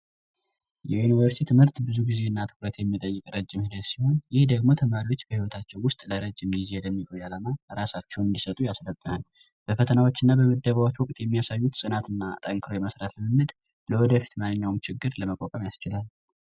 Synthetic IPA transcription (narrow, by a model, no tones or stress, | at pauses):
jɛjunivəɾsit̪ʰɨmhɨɾt̪bɨzuɡize̞ɨnːat̪ʰɨ̥kʼɾət̪jɛmːit̪ʼəjːɪkʼɾəd͡ʒːɪmhɨd̪ət̪siho̞njɪhd̪əɡmo̞t̪ʰəmaɾiwo̞t͡ʃːb̥əhiwɔt̪ʰat͡ʃːɛwwʊst̪ʼləɾəd͡ʒːɪmjɪzed̪əmːikʼojalamaɾasat͡ʃːɛwnɨnd̪isət̪ʼujaslət̪ʼːənal | b̥əfət̪ʰənawo̞t͡ʃːɨnːabəməd̪ːəβawot͡ʃːwɔkʼt̪ʼjɛmːijasajːut̪sʼɨnat̪ɨnːat̪ʼəŋkʰɨɾojɛməsɾat̪lɨmɨmɨd̪ | ləwɔd̪əfi̥t̪manːɨɲːawmt͡ʃɪɡːɨɾləməkʼokʼəmjast͡ʃɪlal